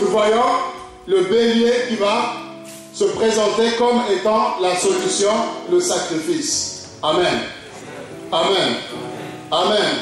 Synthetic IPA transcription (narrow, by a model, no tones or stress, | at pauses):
nuvwajɔ̃ | ləbeljekʲiva | səpχezɑ̃t̪ekɔmet̪ɑ̃lasolysjɔ̃ləsakχifis | amɛn | amɛn | amɛn